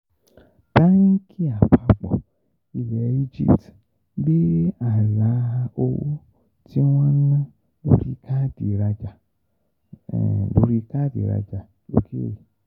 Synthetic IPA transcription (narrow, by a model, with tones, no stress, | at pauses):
da˦nĩ˦kʰi˦a˨k͡pa˧k͡pɔ̰˨ | i˨lɛ˨˦i˦d͡ʒḭ˦pt | be˦a˨la˨˦o˧wṵ˦ | ti˦w̃ɔ̃˦nã˦ | lo̰˦ɾi˧kʰa˦di˨ɾa˧d͡ʒa˨ | lo˨˦ɾi˧ka˦dḭ˨ɾa̰˧d͡ʒa˨ | o̰˨kʰi˦o̰˦i˨